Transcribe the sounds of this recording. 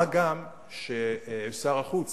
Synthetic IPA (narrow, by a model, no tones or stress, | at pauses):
aɡam | ʃeefsaʁaχut͡s